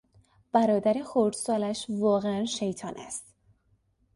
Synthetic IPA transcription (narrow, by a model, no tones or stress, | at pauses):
b̥æɾɒːd̪æɾexoɾd̪̥sɒːlæʃvɒːɣeænʃejt̪ʰɒːnʔæ̰st̪